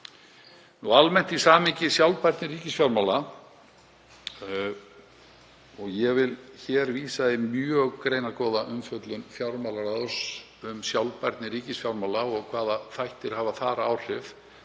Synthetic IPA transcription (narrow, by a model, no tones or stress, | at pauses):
nualmɛn̥t̪isaːmɪɲcɪsjawlpajɾt̪nɪɾiːcɪsfjawɾmaːwla | ɔɣjɛvɪlçɛɾviːsaðɪmjœɣkɾeːjnakɔːðaʔʏmfœt̪lʏnfjawɾmaːwlaɾaðs | ʏmsjawlpaɾt̪nɪɾiːcɪsfjawɾmaːlaɔɣkʰv̥aːðaθajht̪ɪɾ̥haːvaθaɾaːwr̥ɪv